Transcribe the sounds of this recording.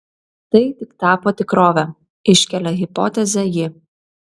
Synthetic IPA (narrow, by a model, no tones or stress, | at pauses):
t̪ɐɪt̪ʲɪkt̪ɑːpɔt̪ʲɪkɾoːʋʲɛ | ɪʃʲkʲɛlʲɛɦʲɪpɔ̰ːt̪ʲɛzʲɛjɪ